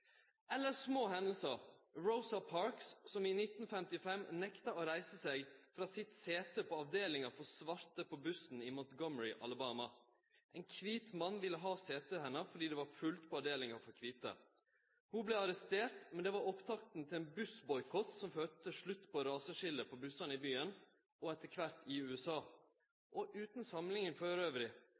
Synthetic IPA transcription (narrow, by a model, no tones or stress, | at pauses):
ɛlːəsmoːɦɛnd̪l̩səɹəʊsɑpʰɑɹkssɔmiːnɪt̪n̩fɛmt̪ɪfɛmnɛkt̪ɑoɾæɪsəseːɡfɾɑːsɪt̪seːt̪ʰəpʰoːɑʋd̪eːlɪŋɑfɔɾsʋɑɾt̪əpʰoːbʉsn̩ɪmuːt̪ɡɔməɹɪʔɑ̰ləbɑːmɑ | ʔeɪnkʰʋiːt̪mɑnːʋɪləɦɑːseːt̪əːhɛnːəfɔɖiːd̪ɛːʋɑɾfʉlt̪pʰoːɑʋd̪eːlɪŋɑfɔɾkʰʋiːt̪ə̰ | hublɛɑɾɛst̪eːɾt̪mɛnd̪ɛʋɑɾɔpt̪ʰɑkt̪n̩t̪ʰɪlɛːnbʉsbɔʏkʰɔt̪sɔmføːt̪əʂɭʉt̪ːpʰɔɾɑːsəʂɪləpʰobʉsɑnəɪbyːən | ʔɔɛt̪ːəkʰʋɑt̪ːɪʉːɛsɑː | ʔɔʔʉːt̪n̩sɑmlɪŋənføːɾøːʋɾɪ